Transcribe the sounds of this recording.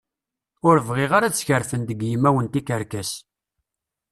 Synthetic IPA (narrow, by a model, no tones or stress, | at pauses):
ʊɾəvʁeʁaɾat͡sːçəɾfənd̪əɡjəmːæwənt̪ikəɾkæs